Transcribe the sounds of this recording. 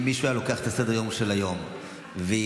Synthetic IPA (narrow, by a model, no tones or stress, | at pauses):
miʃuajalo̞keaχet̪ased̪jo̞mʃelajo̞m | ve